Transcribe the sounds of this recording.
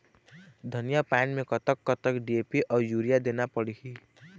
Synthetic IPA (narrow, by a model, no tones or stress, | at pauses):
d̪ʱʌnijapanmekʌt̪əkːʌt̪əkɖiepiʔɔjuɾijad̪enapəɽikʰi